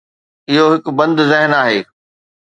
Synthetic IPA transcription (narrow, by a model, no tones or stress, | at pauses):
ɪɦoɦɪkbɐ̃nd̪zɪɦnaːɦeː